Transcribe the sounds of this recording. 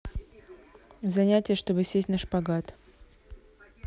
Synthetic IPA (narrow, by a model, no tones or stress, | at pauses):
zɐnʲætʲɪjəʂt̪o̞bɨsʲesʲtʲnaʂpɐɡat̪